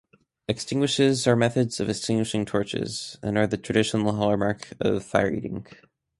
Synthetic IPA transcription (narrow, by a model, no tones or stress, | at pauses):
ɨkstɪ̃ŋɡwɨʃɪzə˞mɛθɨdz̥ʌvɨkstɪ̃ŋɡwɨʃɪ̃ŋtʰɔɹt͡ʃɪ̰z̥ɨ̃nə˞ðɨtʰɹ̥ɨdɪʃn̩l̩ˠɦɑlˠə˞mɑɹkʌ̰v̥faɪə˞ḭɾɪ̰̃ŋ